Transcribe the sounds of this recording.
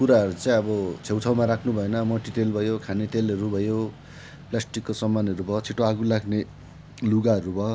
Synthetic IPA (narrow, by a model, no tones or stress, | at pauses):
kuɾaɦʌɾut͡sãĩʌbʌt͡sʰewt̪ʰawmaɾakʰnubʱʌenʌmʌʈit̪elbʱʌjokʰanet̪elɦʌɾubʱʌjo | plasʈikːosʌmːanʌɾubʱʌɦt͡sʰiʈoaɡulakne | luɡaʌɾubʱʌɦ